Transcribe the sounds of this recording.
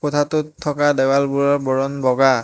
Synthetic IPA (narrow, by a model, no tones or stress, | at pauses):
kɔtʰatʊtʰːɔkadɛwalbuɹabɔɹɔnbɔɡa